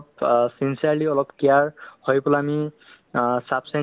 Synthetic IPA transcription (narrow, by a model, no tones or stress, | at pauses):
psinsiaɹliɔlɔpkijaɹhojpɔlaːmi | sapʰsɛ